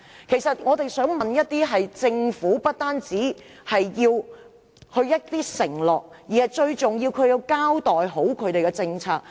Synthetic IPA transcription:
kʰe˨˩jsɐ˨t̚ŋɔː˨˧t̪e˨jsœː˨˥ŋmɐ˨njɐ˥t̚t̪iː˥ɦɐ˨jt͡sɪ˧ŋfuː˨˥pɐ˥t̚t̪aː˥nt͡siː˨˥ | hɐ˨jjiː˧w | hɵ˧jɐ˥t̚t̪iː˥sɪ˨˩ŋlɔː˨k̚jiː˨˩hɐ˨jt͡ʃɵ˧ɥt͡sʊ˨ŋjiː˧wkʰɵ˨˧ɥji˧wkaː˥wt̪ɔː˨˩jɦo˨˥wkʰɵ˨˧˥t̪e˨jkɛ˧t͡sɪ˧ŋt͡sʰaː˧k̚

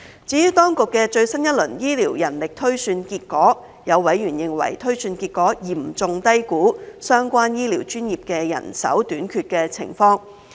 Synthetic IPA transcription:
t͡siː˨˥jyː˨˧˥wt̪ɔː˥ŋkʊ˨kːɛː˧t͡ʃɵ˧ɥsɐ˥njɐ˥t̚lɵ˨˩njiː˥liː˨˩wjɐ˨˩nlɪ˨k̚t̪ʰɵ˥ɥsyː˧nkiː˧t̚kɔː˨˥ | jɐ˨˧wwɐ˨˥jjyː˨˩njɪ˨ŋwɐ̰˨˩jt̪ʰɵ˥ɥsyː˧nkiː˧t̚kɔː˨˥jiː˨˩˨t͡sʊ˨ŋt̪ɐ˥jkuː˨˥sœː˥ŋkʷwaː˥njiː˥liː˨˩wt͡ʃyː˥njiː˨˩p̚kɛː˧jɐ̰˨˩nsɐ̰˨˥wt̪yː˨˥nkʰyː˧t̚kɛː˧t͡sʰɪ̰˨˩ŋfɔː˧ŋ

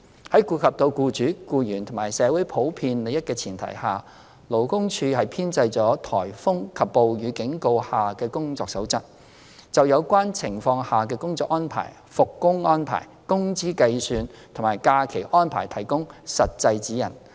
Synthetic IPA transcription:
hɐ˨˥jkuː˧kʰɐ˨p̚t̪o˧wkuː˧t͡ʃyː˨˥kuː˧jyː˨˩nt̪ʰʊ˨˩ŋmaː˨˩jsɛː˨˥wuː˨˥jpʰo˨˥wpʰiː˧nle˨jɐ˥t̚kɛː˧t͡sʰiː˨˩nt̪ʰɐ̰˨˩jhaː˨ | lo˨˩wkʊ˥ŋt͡ʃʰyː˧hɐ˨jpʰiː˥nt͡sɐ˧jt͡ʃɔː˨˥t̪ʰɔː˨˩jfʊ˥ŋkʰɐ˨pːo˨wjyː˨˧kɪ˨˥ŋko˧whaː˨kɛː˧kʊ˥ŋt͡sɔː˧ksɐ˨˥wt͡sɐ˥t̚ | t͡sɐ˨wjɐ˨˧wkʷaː˥nt͡sʰɪ˨˩ŋfɔː˧ŋhaː˨k̬ɛː˧kʊ˥ŋt͡sɔː˧˥kɔː˥npʰa̰ː˨˩j | fʊ˨kːʊ˥ŋɔː˥npʰa̰ː˨˩jkʊ˥ŋt͡siː˥kɐ˧jsyː˨˧n | t̪ʰʊ˨˩maː˨˩jkaː˧kʰe˨˩jʔɔː˥npʰa̰ː˨˩jt̪ʰɐ˨˩jkʊ˥ŋsɐ˨t̚t͡sɐ˧jt͡siː˨˥jɐ̰˨˩n

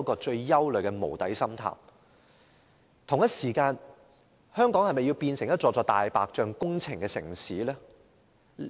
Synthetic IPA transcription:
kɔː˧t͡ʃɵ˧ɥjɐ˥wlɵ˨˩ɥkɛ˧mo̰˨˩wt̪ɐ˨˥jsɐ˥mt̪ʰa̰ː˨˩m | t̪ʰʊ˨˩ŋjɐ˥t̚siː˨˩kaː˧n | hœː˥ŋkɔː˨˥ŋhɐ˨jmɐ˨ji˧wpiː˧nsɪ˨˩ŋjɐ˥t̚t͡sɔː˧t͡sɔː˧t̪aː˨jpaː˨k̚t͡ʃœː˧ŋkʊ˥ŋt͡sʰɪ˨ŋkɛː˧sɪ̰˨˩ŋsiː˨˥lɛː˥

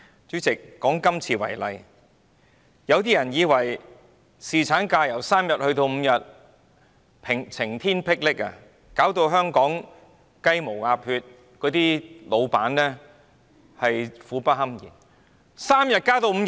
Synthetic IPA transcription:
t͡ʃyː˨˥t͡sɪ˨kːɔː˨˥ŋkɐ˥mt͡sʰiː˧wɐ̰˨˩jlɐ˨˧j | jɐ˨˧wt̪iː˥jɐ˨˩njiː˨˧wɐ˨˩j | siː˨t͡sʰaː˨˥nkaː˧jɐ˨˩wsaː˥mjɐ˨t̚hɵ˧ɥt̪o˧wm̩˨˧jɐ˨t̚ | pʰɪ˨˩ŋt͡sʰɪ˨˩ŋt̪ʰiː˥npʰɪ˥k̚lɪ˥k̚a̰˧ | kaː˨˥wt̪o˧wɦœː˥ŋkɔː˨˥ŋ | kɐ˥jmo˨˩wŋaː˧p̚hyː˧t̚ | kɔː˨˥t̪iː˥lo˨˧wpaː˨˥nlɛː˥ | hɐ˨jfuː˨˥pɐ˥t̚ɦɐ˥mjḭː˨˩n | saː˥mjɐ˨t̚kaː˥t̪o˧wm̩˨˧

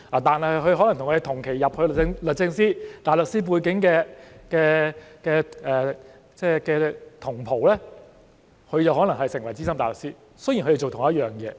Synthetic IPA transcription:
laː˨˩t̪aː˨nhɐ˨˩hjkɵ˧ɥhɦɔ˨˥lɐ˨˩ŋt̪ʰʊ˨˩ŋʰː˧˨˧t̪ʰʊ˨˩ŋkʰe˨˩jjɐ˨p̚hɵ˧ɥl̚ŋlɵ˨t̚t͡sɪ˧ŋsiː˥t̪aː˨jlɵ˨k̚siː˥p̬uː˧jkɪ˨˥ŋkɛː˧kɛː˧kɛː˧ʔɛː˨ | t͡sɛː˥˩kɛː˧t̪ʰʊ˨˩ŋpʰo˨˩wlɛː˥ | kʰɵ˧ɥt͡sɐ˨whɔː˨˥lɐ˨˩ŋhɐ˨jsɪ˨˩ŋwɐ˨˩jt͡siː˥sɐ˥mt̪aː˨˩lɵ˨k̚siː˥ | sji˨˩nʰk̪e˨˩t͡ʃo˨wt̪ʊ˨˩ŋjɐ˥t̚jœː˨ŋjɛ̰ː˧

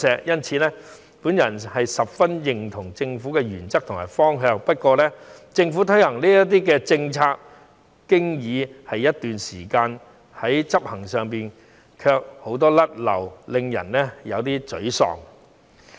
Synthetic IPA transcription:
sɛː˨˩k̚jɐ˥nt͡sʰiː˨˧lɛː˥ | puː˨˥njɐ˨˩nhɐ˨jsɐ˨p̚fɐ˥njɪ˨ŋt̪ʰʊ˨˩ŋt͡sɪ˧ŋfuː˨˥kɛː˧jyː˨˩nt͡sɐ˥k̚t̪ʰʊ˨˩ma̰ː˨˩jfɔː˥ŋɦœː˧ŋpɐ˥t̚kɔː˧lɛː˥t͡sɪ˧ŋfuː˨˥t̪ʰɵ˥jhɐ˨˩ŋliː˥jɐ˥t̪iː˥k̬ɛː˧t͡sɪ˧ŋt͡sʰaː˧k̚ | kɪ˥ŋjiː˨˧hɐ˨jːɐ˥t̚t̪yː˨nsiː˨˩kaː˧n | hɐ˨˥jt͡sɐ˥p̚hɐ˨˩ŋsœː˨ŋpiː˨˩n | kʰœː˧k̚ho˨˥wt̪ɔː˥lɐ˥t̚lɐ̰˨˩wlɪ˧ŋjɐ̰˨˩nlɛː˥jɐ˨˧wt̪iː˥t͡sɵ̰˨˥ɥsɔ̰ː˨˩ŋ

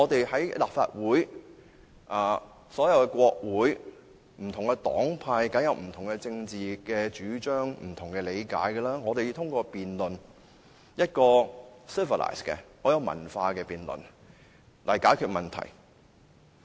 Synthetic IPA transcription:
ŋɔː˨˧t̪e˨jhɐ˨˥jlaː˨p̚fa̰ː˧t̚wuː˨˥j | ʔaː˨˩ | sɔː˨˥jɐ˨˧wkɛ˧kʷɔː˧k̚wuː˨˥j | m̩˨˩t̪ʰʊ˨˩ŋkɛ˧t̪ɔ̰ː˨˥ŋpʰaː˧jkɐ˨˥ŋjɐ˨w̚m̩˨˩t̪ʰʊ˨˩ŋkɛ˧t͡sɪ˧ŋt͡siː˨kɛː˧t͡ʃyː˨˥t͡ʃœː˥ŋm̩˨˩t̪ʰʊ˨˩ŋkɛː˧le˨˧jka̰ː˨˥jɡɛ˧laː˥ŋɔː˨˧t̪e˨ji˧t̪ʰʊ˥ŋkʷɔː˧piː˨nlɵ˨n | jɐ˥t̚kɔː˧sɪ˥və˨la̰ː˨jskɛ̰˧ŋɔː˨˥jɐ˨˧wmɐ̰˨˩nfaː˧kɛː˧piː˨nlə̰˨n | lɐ̰˨˩jkaː˨˥jkʰyː˧t̚mɐ˨˩nt̪ʰɐ̰˨˩j

